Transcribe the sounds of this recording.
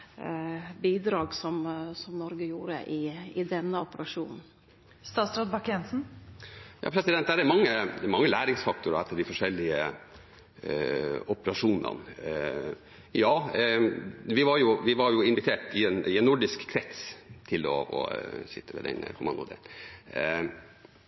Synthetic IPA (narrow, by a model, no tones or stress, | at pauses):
biːd̪ɾɑːɡsɔmsɔmnɔɾɡəjuːɾə̰ʔɪɪd̪ɛnːəɔpəɾɑʂuːnn̩ | st̪ɑːsɾɑd̪̚bɑkɛnsn̩ | jɑ̰ːpʰɾɛsɪd̪ɛnt̪̚d̪æɾɛmɑŋːəmɑŋːəlæːɾɪŋsfɑk̚t̪ʊɾəɛt̪ːəɖɪfɔʂɛlːɪə̰ | ɔpəɾɑʂuːnə̰n | jɑː | ʋɪʋɑɾjʊʋɪʋɑɾjʊɪnʋɪt̪ʰeːʈɪɛnɪɛnːʊɖɪskkʰːɾɛt̪st̪ʰɪlɔ̰ɔ̰sɪ̰t̪ʰːəmʋɛ̰d̪ɛ̰n̰kʰʊmɑnd̪ʊ̰d̪ḛ